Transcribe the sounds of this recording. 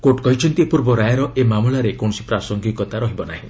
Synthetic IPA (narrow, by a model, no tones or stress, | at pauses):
koʈkɔɦit͡ʃʰɔnt̪iepuɾbɔɾajaɾɔemamulaɾekɔɳ̃ɔsi̥pɾasɔŋɡikɔt̪aɾɔɦibɔnaɦĩ